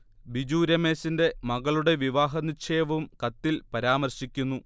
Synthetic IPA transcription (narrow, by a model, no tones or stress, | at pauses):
ʋid͡ʑuːɾɐme̞ːsinde̞mɐɣɐɭuɽe̞ʋiʋaːɦɐnit͡ɕʰeːʋɐmkɐt̪ːilpɐɾaːmɐrɕikʲːunːu